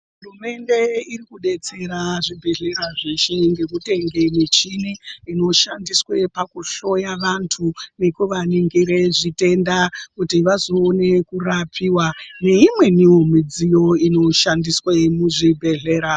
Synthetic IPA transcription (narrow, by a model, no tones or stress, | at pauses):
ɦɦurume̞nde̞irikuɗe̞t͡se̞ɾaʐibʱe̞ɮe̞ɾaʐeʃe̞ŋɡe̞kute̞ŋɡe̞mit͡ʃiniino̞ʃandiswe̞pakuʃo̞jaʋantʰunekuʋaniŋɡiɾe̞ʐite̞ndakutiʋazoːne̞kurapʰiwane̞imwe̞nijo̞mid͡zijo̞ino̞ʃandiswemuʐibʱe̞ɮe̞ːɾa